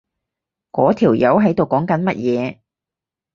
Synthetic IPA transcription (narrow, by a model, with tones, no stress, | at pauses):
kɔː˨˥t̪ʰiː˨˩wjɐ˨˥wɦɐ˨˥jt̪o˨wkɔː˨˥ŋkɐ˨˥nmɐ˥t̚jɛː˨˧